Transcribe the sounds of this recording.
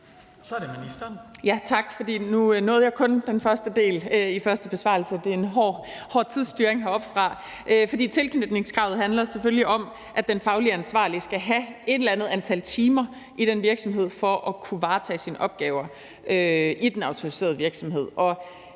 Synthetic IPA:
sɒdeminisd̥ɐnjæt͡sʰɑ̈ɡ̥fɒ̽d̥ḭːnunɔ̽ːð̩ˠjɑkʰɔ̽nd̥enfɶɐsd̥əd̥e̝̰ːlifɶɐsd̥əb̥e̝sʋɑ̰̈ːl̩səd̥e̝enɦɒ | hɒ̰ːt͡sʰið̞̰ˠsd̥yːɐeŋɦɑ̈ɒ̽b̥fʁɑ̈ | ʔøfɒ̽d̥ḭːt͡sʰe̝lkʰnød̥ne̝ŋskʰʁɑ̈ʊð̞̩ˠɦænlɐsefølliʔɒ̽m | ʔæ̥d̥enfɑ̈ʊliænsʋɑ̰̈ːlisɡ̥æɦæe̝d̥el̩ænð̞̩ˠænt͡sʰælt͡sʰiːmɐ | ʔiɾ̥enʋiɐɡ̥sɒ̽mɦe̝ð̞̰ˠfɒʔɒ̽kʰuʋɑ̈ːt͡sʰɛ̰ːsinʔɒ̽b̥̚ɡ̥ɛːʊɐ | ʔøʔid̥enɑ̈ʊt͡sʰo̝ʁise̝̰ɐð̞ˠʋiɐɡ̥sɒ̽mɦe̝ð̰ˠɒ̽

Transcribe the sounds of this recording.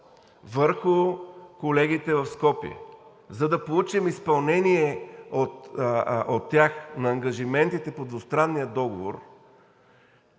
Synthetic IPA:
vəɾxʊkolɛɡ̟it̪ɛvɐfskɔpiɛ̰ | zɐd̪ɐpolˠut͡ʃimispɐlˠnɛniɛot̪ot̪ːjaxnɐːŋɡɐʒimɛnt̪it̪ɛpod̪vʊst̪ɾanːijəd̪ɔɡovo̰ɾ

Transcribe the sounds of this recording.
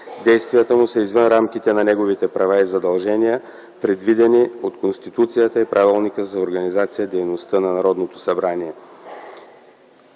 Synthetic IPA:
d̪ɛjst̪vijət̪əmusəizvənɾamkit̪ɛnɐnɛɡovit̪ɛpɾɐvaizɐd̪ɐlˠʒɛnijə | pɾɛd̪vid̪ɛniot̪konst̪it̪ut̪sijət̪əipɾʔavɛlˠnikəzɐoɾɡɐnizat̪sijəd̪ɛjnost̪ənɐnɐɾɔd̪not̪o̥sɐbɾaniɛ

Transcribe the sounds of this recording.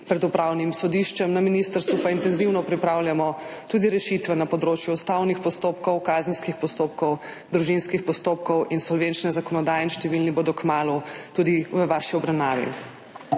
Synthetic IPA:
pɾɛd̪upɾawnimsɔd̪iʃt͡ʃɛmnaminist̪əɾst̪ʋupaint̪ɛnziwnɔpɾipɾawljamɔt̪uːd̪iɾɛʃit̪ʋɛnɐpɔd̪ɾoːt͡ʃjuɔst̪awnixpɔst̪oːpkɔwkazənskixpɔst̪op̚kɔw | d̪ɾuʒinskixpɔst̪oːpkɔwinsɔlʋent͡ʃnɛzakɔnɔd̪aːjɛinʃt̪ɛʋilniboːd̪ɔkmaːlut̪ud̪iʋəʋaʃiɔbɾɐwnaːʋḭ

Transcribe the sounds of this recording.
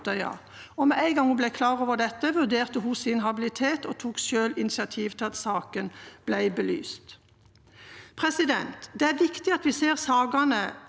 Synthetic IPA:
t̪əʏɑ̰ | ɔmɛʔæɪɡɑŋhʊblæɪkʰlɑːɾoːʋəʁd̪ɛt̪ːəʋʉʁd̪eːʁt̪əɦʊsɪnɦɑbɪlɪt̪ʰeːt̪ɔt̪ʰuːkʃøːlɪnɪsɪɑt̪ʰiːʋt̪ʰɪlɑt̪sɑːkənb̥læɪbəly̰ːst̪ | pʰʁɛsɪd̪ɛ̰nt̪d̪ɛæɾʋɪkt̪ɪɑt̪ʋɪseːʁsɑːɡɑnə

